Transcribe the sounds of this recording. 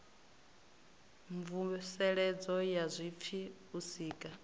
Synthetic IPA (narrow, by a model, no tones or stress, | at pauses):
ɱvusɛɺɛd͡zɔjazʷip̪fʰi | usiːkʼa